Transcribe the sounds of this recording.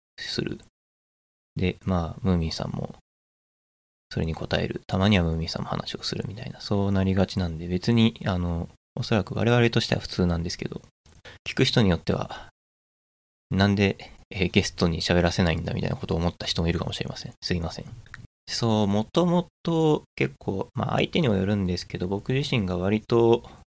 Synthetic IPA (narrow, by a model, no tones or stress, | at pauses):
sɨ̰ɾɯ̰ | d̪e̞maːmɯ̟ːmʲĩːsã̰mːo̞̰ | so̞ɾe̞ɲ̟iko̞t̪ae̞̰ɾɯ̟̰t̪ʰamaɲ̟iβ̞amɯ̟ːmʲĩːsã̰mːo̞ha̰na̰ɕio̞sɨɾɯ̟̰mʲit̪aḭnaso̞ːnaɾʲiɡat͡ɕinãnd̪e̞be̞t͡sɨɲ̟iano̞ | oso̞ɾakɯ̟βa̰ɾe̞β̞aɾe̞t̪o̞ɕit̪e̞a̰ɸɯ̟̥t͡sɨːnãnd̪e̞sɨ̥ke̞d̪o̞̰ | kʲi̥kɯ̟çi̥t̪o̞ɲ̟ijo̞t̪ːe̞βa̰ | nãnd̪e̞eɡe̞sɨ̥t̪o̞ɲ̟iɕaβe̞ɾase̞naĩnd̪a̰mʲit̪a̰ḭnako̞t̪oːmo̞t̪ːaçi̥omoiɾɯ̟kamo̞ɕiɾe̞̰masẽ̞ɴsɨimasẽ̞̰ɴ | so̞ːmo̞t̪o̞mo̞t̪o̞ke̞kʰːo̞ːma̰ʔa̰it̪e̞ɲ̟imojoɾɯ̟̃nd̪e̞sɨ̥ke̞d̪o̞bo̞kɯ̟ʑiɕĩŋɡaβaɾʲit̪o̞